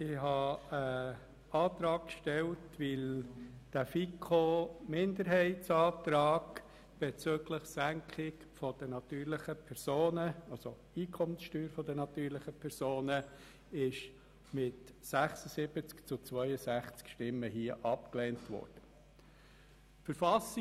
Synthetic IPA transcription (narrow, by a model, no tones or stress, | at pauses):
ɪhɑə | ɑːt̪ɾɑːkkʃtɛltʋɪld̥æfikʰomɪndəɾɦɛɪtt͡sɑːt̪ɾɑːɡ | b̥ɛt͡søɡləχsæŋkʰχɪk | fɔd̥ənɑt̪yːɾlɪχəpʰɛɾsoːnəɑlso | iːkʰɔmənsʃtyːɾfɔdənɑtyːɾlɪχəpʰɛɾzoːnə | ɪʃ | mɪtsæχsəsɪb̥ət͡skt͡sʊt͡sʋœʏəsæχt͡skʃtɪmːəhiəʔɑpkleːntʋɔ̰ːɾd̥ə | fəɾfɑsɪ